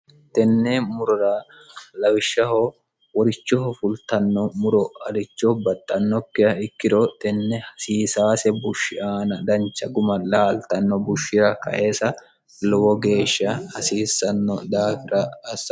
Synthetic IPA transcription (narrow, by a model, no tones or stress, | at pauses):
t̪ɛnːɛmʊɾʊɾa | lɐwɪʃːɐho | wɔɾɪt͡ʃːɔɔfʊlt̪ɐnːɔmʊɾɔɐlɪt͡ʃːɔbɐt̪ʼːɐnːɔkːɪjɐɪkːɪd̪ot̪ɛnːɛhɐsiːsaːsɛbʊʃːɪʔaːnɐd̪ɐnt͡ʃːɐɡʊmɐlaːlt̪ɐnːɔbʊʃːɪɾɐkɐ̰ʔe̞ːsɐ | lɔwɔɡe̞ːʃːɐhɐsiːsːɐnːɔd̪aːfɪɾɐːs